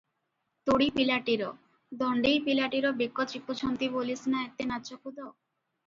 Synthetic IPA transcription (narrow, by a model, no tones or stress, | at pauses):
t̪oɽipilaʈiɾɔ | d̪ɔɳɖijpilaʈiɾɔbikːɔipːut͡ɕʰɔnt̪ibolisnaet̪ːenat͡ɕokud̪o